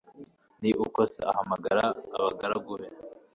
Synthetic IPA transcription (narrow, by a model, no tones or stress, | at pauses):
niʔukosḛahamaɡaɾaːβaɡaɾaɡuhe